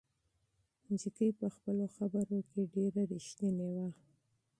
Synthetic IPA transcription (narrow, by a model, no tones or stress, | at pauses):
muzikijpəxpəloxabəɾokeɖeɾaɾiʃt̪ənewa